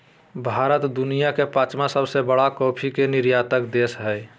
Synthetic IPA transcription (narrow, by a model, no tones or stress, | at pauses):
bʱaɾət̪d̪unijakepat͡ʃmasəbsebəɽakɔpʰikeniɾjat̪əkd̪esɦəj